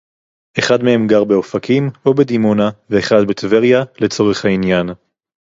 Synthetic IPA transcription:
ʔe̞χad̪mehe̞mɡaʁbeo̞fakʰimo̞be̞d̪imonaveːχad̪be̞t̪veʁjale̞t͡so̞ʁe̞χhainjan

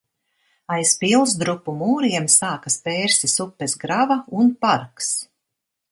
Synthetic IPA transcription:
ajspilˠsd̪ɾupːumuːɾiɛmsaːkaspeːɾsisupːɛsɡɾavaunpaɾks

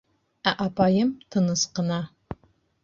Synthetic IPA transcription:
æʔapʰaːjɪmtʰɨnɨsqəna

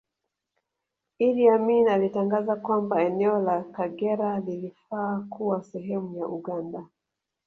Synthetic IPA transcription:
iliaminalitaŋɡazakwambaɛnɛɔlakaɡɛɾalilifaːkuwasɛɦɛmujaʔuɡanda

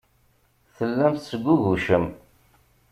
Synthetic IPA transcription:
θəlːæmθsəɡʷːuʝuʃəm

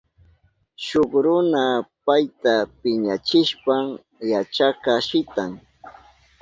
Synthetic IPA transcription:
ʃokɾʊnapajt̪apɪɲat͡ʃɪʃpam | jat͡ʃakaʃɪt̪aŋ

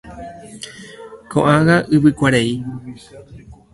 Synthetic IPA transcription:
kʰõ̰ʔãɣaʔɨβɨkʷaɾei

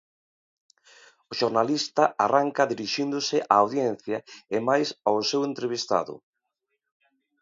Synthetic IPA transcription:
ʊʃoɾnalist̪ɐʔaraŋkɐðiɾiʃind̪ʊsɪʔaːwðjɛn̟θjɐemajsawsewent̪ɾeβ̞ist̪a̰ðʊ̰

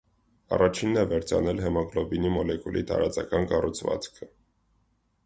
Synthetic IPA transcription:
ɑ̰rɑt͡ʃʰinːɛvɛɾt͡sʰɑ̰nɛlɦɛmɑɡlɔbinimɔlɛkulʔḭt̪ɑ̰ɾɑt͡sɑkɑnkɑrut͡sʰvɑ̰t͡skʰə

